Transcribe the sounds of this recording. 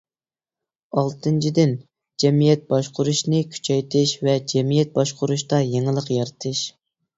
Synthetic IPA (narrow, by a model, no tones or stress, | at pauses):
ɑlˠt̪ʰɨnt͡ʃʰid̪ɪn | d͡ʒɛmijɛt̪̚bɑʃqʰʊɾuʃnɨkʲʰy̥t͡ʃʰɛjt̪ʰɪʃvɛd͡ʒɛmijɛt̪̚bɑʃqʰʊɾuʃt̪ɑjeŋɨlˠəqjɑɾt̪ʰɨʃ